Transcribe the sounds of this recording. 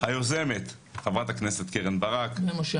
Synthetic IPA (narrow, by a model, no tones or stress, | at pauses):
hajozeme̞t̪ | χavʁat̪akneset̪keʁenbaʁakmoʃ